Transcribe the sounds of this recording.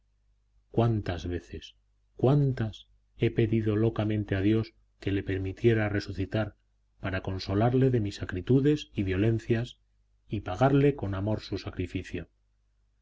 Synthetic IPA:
kwant̪azβe̞θe̞s | kwant̪as | e̞pe̞ðiðo̞lo̞kamẽnt̪e̞að̞jo̞s | ke̞le̞pe̞ɾmit̪je̞ɾare̞suθit̪aɾ | paɾako̞nso̞laɾle̞ðe̞misakɾit̪uðe̞siβjo̞le̞n̟θjas | ipaɣ̞aɾle̞ko̞namo̞ɾsusakɾifiθjo̞

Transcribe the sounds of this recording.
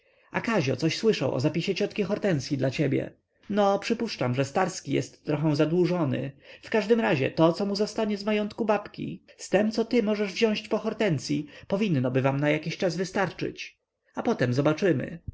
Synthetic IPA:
a̰kaʑɔ̰t̪sɔɕswɘʂa̰wʔɔ̰zapʲiɕɛt͡ɕɔt̪kʲixɔɾt̪ɛnt̪sʲjid̪lat͡ɕebʲjɛ̰ | nɔpʂɘpuʂt͡ʂamʐɛst̪aɾskʲijɛ̰st̪ːɾɔxɛw̃zad̪wuʐɔnɘ̰fkaʐd̪ɘmɾaʑɛ̰t̪ɔt̪sɔmuzɔst̪aɲɛzmajɔnt̪kubapkʲḭst̪ɛmt̪sɔt̪ɘmɔʐɛʐvʑɔ̃w̃ɕt͡ɕpɔxɔɾt̪ɛnt̪sʲjipɔvʲinːɔbɘvamnajakʲiɕt͡ʂazvɘst̪aɾt͡ʂɘ̰t͡ɕ | apɔt̪ɛmzɔbat͡ʂɘmɘ̰

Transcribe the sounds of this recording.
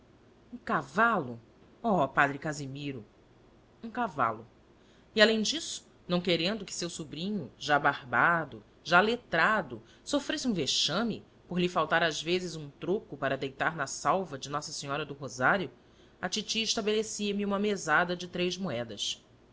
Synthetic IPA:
ũkavalʊ | ɔpad̪ɾɪkazimiɾʊ | ũkava̰lʊ | ialẽj̃d͡ʒisʊ̥ | nɐ̃w̃keɾẽnd̪ʊkɪ̥sewsubɾĩɲʊʒabahbad̪ʊ | ʒalet̪ɾad̪ʊ | sofɾesɪũveʃɐ̃mɪ̰ | poɾlɪfawt̪aɾazvezɪzũt̪ɾokʊpaɾɐd̪ejt̪aɾnɐsawvɐd͡ʒɪnɔsɐsiɲɔɾɐd̪ʊɦozaɾjʊ | ɐt͡ʃit͡ʃiɪʃt̪abelesiɐmɪũmɐmezad̪ɐd͡ʒɪt̪ɾejzmoɛd̪ɐs

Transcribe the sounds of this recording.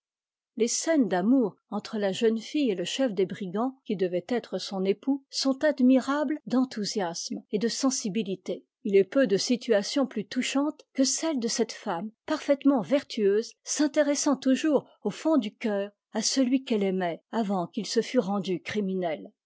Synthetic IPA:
lesɛnd̪amuʁ | ɑ̃t̪χəlaʒənfijeləʃɛfd̪ebʁiɡɑ̃kʲid̪əvɛt̪ɛt̪χəsɔ̃nepusɔ̃t̪ad̪miʁabld̪ɑ̃t̪uzjasmed̪əsɑ̃sibilit̪e | ilɛpød̪əsit̪yasjɔ̃plyt̪uʃɑ̃t̪kəsɛld̪əsɛt̪fampaʁfɛt̪mɑ̃vɛʁt̪ʰyøːzsɛ̃t̪eʁɛsɑ̃t̪uʒuʁ | ofɔ̃d̪ykʲœːʁ | asəlɥikɛlɛmɛavɑ̃kilsəfyʁɑ̃d̪ykχiminɛl

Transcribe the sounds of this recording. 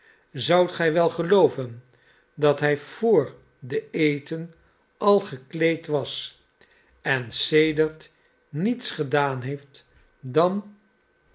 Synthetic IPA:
zʌwtχɛjʋɛlˠχəlowvən | dɑtɦɛjv̥ʊːɹ | dəejtən | ɑlˠχəklejtʋɑs | ɛnsejdəɹt | nitsχədaːnɦejft | dɑn

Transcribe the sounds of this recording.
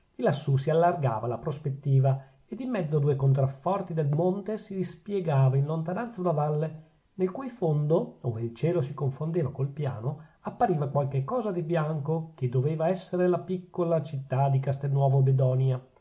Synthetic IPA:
d̪̥ilasːusialːarɡa̰ːvalapɾospet̪ːiːva | ed̪imːɛd̪zːoad̪uːekont̪ɾafːɔrt̪id̪elmont̪esid̪ispjeɡaːvainlont̪anant̪saunavalːe | nelkujfond̪ooːveilt͡ʃɛːlosikoɱfond̪eːvakolpja̰ːnoapːaɾiːvakwalkekːɔːzad̪ibjaŋkoked̪ːoveːvaɛsːeɾelapikːolat͡ʃit̪ːad̪ikast̪enːwɔːvobed̪ɔnja

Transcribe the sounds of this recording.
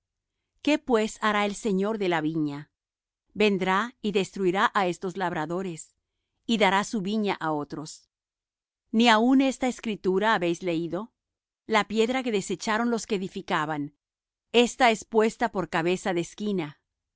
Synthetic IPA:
ke̞pwe̞saɾae̞lse̞ɲo̞ɾðe̞laβiɲa | be̞nd̪ɾaiðe̞st̪ɾuiɾaʔae̞st̪o̞zlaβɾaðo̞ɾe̞s | iðaɾasuβiɲaʔao̞t̪ɾo̞s | niaune̞st̪aeskɾit̪uɾaːβe̞jzle̞iðo̞ | lapje̞ðɾak̬e̞ðe̞se̞t͡ʃaɾonlo̞skeːðifikaβan | e̞st̪ae̞spwe̞st̪apo̞ɾkaβe̞saðe̞ːskina

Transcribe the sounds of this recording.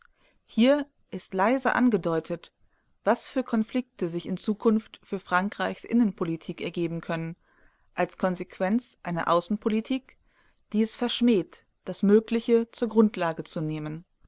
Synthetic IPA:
hiːɐ | ʔɪstlaɪzəʔa̰nɡədɔʏtʰət | v̥asfyːɐkʰɔnflɪk̚təzɪçɪnt͡suːkʰʊnftfyːɐfʁ̥aŋkʁ̥aɪçsʔɪ̰nənpʰolitʰiːkɛɐɡeːbm̩kʰœnən | ʔalskʰɔnzekʰv̥ɛnt͡sʔaɪnɐ̰ʔaʊsn̩pʰolitʰiːk | d̥iːɛsfɛɐʃmɛːt | d̥asmøːklɪçət͡suːɐɡʁʊntʰlaːɡət͡suneːmən

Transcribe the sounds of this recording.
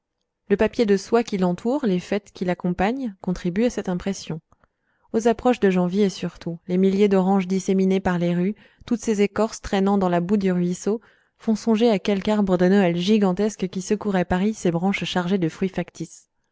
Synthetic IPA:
ləpapjed̪əswakʲilɑ̃t̪ʰuːʁlefɛt̪kʲilakɔ̃paɲkɔ̃t̪χibyasɛt̪ɛ̃pχɛsjɔ̃ | ozapχɔʃd̪əʒɑ̃vjeesyʁt̪ʰulemiljed̪ɔʁɑ̃ʒd̪iseminepaʁleʁy | t̪ut̪sezekɔʁst̪χɛnɑ̃d̪ɑ̃labud̪yʁɥiso | fɔ̃sɔ̃ʒeakʲɛlkaʁbʁəd̪ənɔɛlʒiɡɑ̃t̪ɛskkʲisəkuʁɛpaʁisebʁɑ̃ʃʃaʁʒed̪əfχɥifakt̪is

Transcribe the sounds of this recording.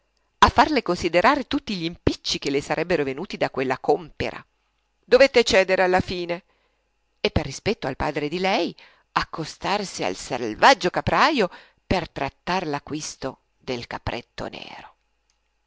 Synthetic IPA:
afːarlekonsid̪eɾʔaːɾet̪ut̪ːiʎimpit͡ʃːik̟elesaɾʔɛbːeɾovenuːt̪id̪akwelːakompḛɾʔa̰ | d̪ovet̪ːet͡ʃɛːd̪eɾealːafiːne | epːerːispɛt̪ːoalpaːd̪ɾed̪ilɛj | akːost̪arsia̰lsḛlvad͡ʒːokapɾaːjo | pert̪ɾat̪ːarlakːwist̪o | d̪elkapɾʔḛt̪ːo̰nɛ̰ːɾo

